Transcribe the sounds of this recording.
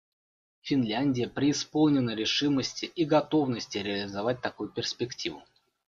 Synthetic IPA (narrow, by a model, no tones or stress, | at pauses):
fʲɪnlʲanʲdʲɪjəpɾʲɪːspo̞lˠnʲɪnəɾʲɪʂɨməsʲtʲɪʔiɡɐt̪o̞vnəsʲtʲɪɾʲɪəlʲɪzɐvat̚ʲt̪ɐkujʊpʲɪrsʲpʲɪktʲivʊ̰